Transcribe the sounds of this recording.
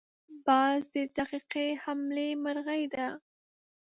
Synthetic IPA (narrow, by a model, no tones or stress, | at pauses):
bɑzd̪əd̪aqiqehamlemaɾɣajd̪a